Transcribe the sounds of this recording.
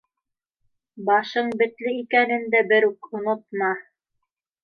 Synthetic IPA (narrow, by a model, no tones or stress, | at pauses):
bɑʃɤɴbɘ̆t̪lɘikænɘ̆nd̪æbɘɾukŏnŏt̪̚mɑ